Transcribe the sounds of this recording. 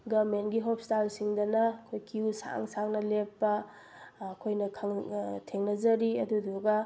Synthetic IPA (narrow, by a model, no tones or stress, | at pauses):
ɡɐɾmentɡiɦop̚ʰstalsiŋdɐnɐɐkʰojkiusa̰ŋsaŋnɐlepːɐː | kʰojnɐkʰɐŋtʰeŋnɐzɐɾiɐduduɡɐ